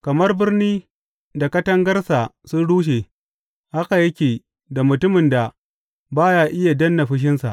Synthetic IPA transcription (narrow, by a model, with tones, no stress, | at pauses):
kɐ˨mɐ˦rbɪ˦rniː˦ | da˨kɐ˦tɐ˦ŋɡɐ˦rsa˨sʊ˦nɽuː˦ʃ̬e˨ | ha˦ka˨jɐ˦kʲeː˨ | da˨mʊ˨tʊ˦mɪ˨nda˨ | baː˦jaː˦ʔɪ˦ja˨dɐ˦nːɐ˨ɸɪ˦ʃ̬ɪ˦nsa̰˨ʔ